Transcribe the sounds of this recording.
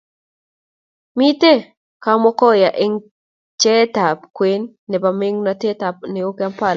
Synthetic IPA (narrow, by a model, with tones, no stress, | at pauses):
mi˦te˦ | ka˦mɔ˦kɔ˦ja˨ʔe˦ŋ | t͡ʃɛ˦ta˨pkwe˦nːɛ˨ba˨me˦ŋna˦te˦ta˨p̚nɪ˨o˦ka˦mpa˦˨l